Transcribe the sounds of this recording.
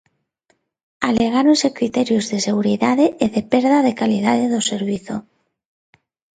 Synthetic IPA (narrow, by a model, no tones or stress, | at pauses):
aleɣ̞aɾonsekɾit̪eɾjozðeseɣuɾiðaðeːðepeɾð̞aðekalið̞aðeðoseɾβiθo̰